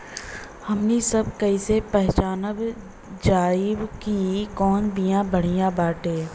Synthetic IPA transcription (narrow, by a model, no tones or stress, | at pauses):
hɐmnesɐb̚kɐisepɛɦt͡ʃaːnəb | d͡ʒaːɪwkikɔːnbʱijãbəɽ̤ijãbaːʈeː